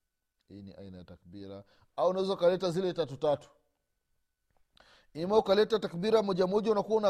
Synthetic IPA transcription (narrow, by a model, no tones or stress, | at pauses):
hḭːnḭʔa̰inaja̰takɓiɾa̰ | auunawɛzaukalɛtazilɛtatutatu̥ | imaukalɛtatakɓiɾamɔʄamɔʄaunakuwauna